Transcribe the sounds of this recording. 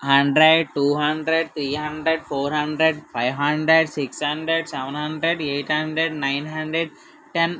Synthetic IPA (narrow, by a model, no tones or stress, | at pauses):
hɐ̃ɳɖɾeɖʈuːɦɐ̃ɳɖɾeɖt̪ʰɾiːɦɐ̃ɳɖɾeɖfoːɾɦɐ̃ɳɖɾeɖfaɪʋɦɐ̃ɳɖɾeɖsɪkshɐ̃ɳɖɾeɖsɛʋə̃nɦɐ̃ɳɖɾeɖeːʈhɐ̃ɳɖɾeɖnãɪnɦɐ̃ɳɖɾeɖ̚ | ʈɛ̃n